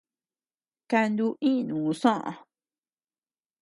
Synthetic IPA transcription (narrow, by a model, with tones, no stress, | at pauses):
ka˦˧nd̪u˦ʔĩ˦˨nũː˨˦sã˦ʔã̰˨˧